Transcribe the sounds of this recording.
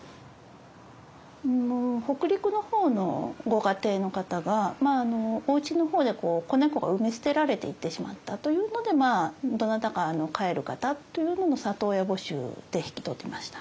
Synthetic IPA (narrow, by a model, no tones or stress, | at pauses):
ho̞kɯ̟ɾʲikɯ̟no̞ho̞ːno̞ɡo̞ɡat̪e̞ːno̞kat̪aɡamaːno̞ːɯ̟t͡ɕino̞ho̞ːd̪e̞ko̞ːko̞ne̞ko̞ɡa̰ɯ̟mesɨ̥t̪e̞ɾaɾe̞t̪e̞̰it̪ːe̞ɕima̰t̪ːat̪o̞jɯ̟ːno̞d̪e̞maːd̪o̞nat̪akaːno̞kae̞ɾɯ̟kat̪at̪ːo̞jɯ̟ːno̞no̞sat̪o̞ːjabo̞ɕɨ̰ːd̪̥e̞çi̥kʲi̥t̪o̞t̪ːemaɕi̥t̪ḁ